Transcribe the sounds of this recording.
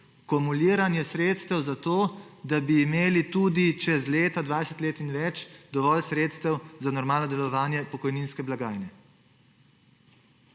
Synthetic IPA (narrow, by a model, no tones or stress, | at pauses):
kɔmuliːɾanjɛsɾeːt̪st̪ɛwzat̪oːd̪abiːmeːlit̪ud̪it͡ʃɛzleːt̪ad̪ʋaːjsɛt̪leːt̪inʋɛt͡ʃd̪ɔʋɔːlsɾeːt̪st̪ɛwzanɔɾmaːlnɔd̪ɛlɔʋaːnjɛpɔkɔjninskɛblaɡaːjnɛ